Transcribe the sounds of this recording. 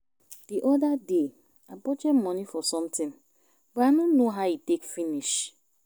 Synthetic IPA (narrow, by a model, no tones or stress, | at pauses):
d̥iʔɔdade | abɔd͡ʒɛmmɔnifɔsɔ̃mtɪ̃n | bɛanonnoɦaʊitekfiniʃ